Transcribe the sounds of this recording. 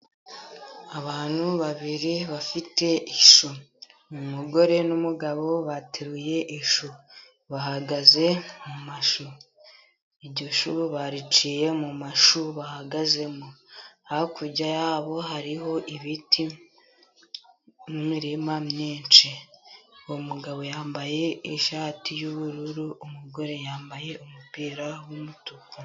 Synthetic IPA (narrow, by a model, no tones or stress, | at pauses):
aβaːn̥huβaβiɾiβafite̞ʔiʃu | mumuɡo̞ɾe̞numuɡaβo̞βateɾuje̞ʔiʃu | βaɦaɡaze̞mumaʃu | iɟiʃuβaɾit͡ʃije̞mumaʃuβahaɡaze̞muahokʰuɾɟajaβo̞ɦaɾiɦo̞ʔiβiti | mumiɾimamɲeːnt͡ʃe | omuɡaβo̞jaːmbaje̞iʃaːtijuβuɾuɾuʔumuɡo̞ɾe̞jaːmbaje̞ʔumupiːɾawumutuko